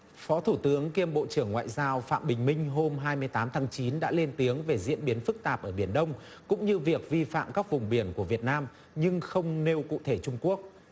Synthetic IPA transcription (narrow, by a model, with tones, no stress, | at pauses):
fɔ˨˦t̪ʰu˧˩t̪ɨ˨˦əŋki˧əmɓo̰˧˨t͡ɕɨ˧˩əŋːwa̰ː˧˨jzaː˧wfa̰ː˧˨mɓï˨˩ŋ̟mï˧ŋ̟ɦo˧mɦaː˧jmɨ˧əjt̪aː˨˦mt̪ʰaː˨˦ŋt͡ɕi˨˦nɗa̰ː˧˥le˧nt̪i˨˦əŋve˨˩zḭ˧˥ənɓi˨˦ənfɨ˦˥k̚t̪aː˨˩p̚ʔəː˧˩ɓi˧˩ənɗə˧wŋ͡m | kʊ̰˧˥ŋ͡mɲɨ˧vi˨˩ək̚vi˧fa̰ː˧˨mkaː˦˥k̚vʊ˨˩ŋ͡mɓi˧˩ənku˧˩əvi˨˩ət̚naː˧m | ɲɨ˧ŋxə˧wŋ͡mne˧wkṵ˧˨t̪ʰe˧˩t͡ɕʊ˧ŋ͡mku˦˥ək̚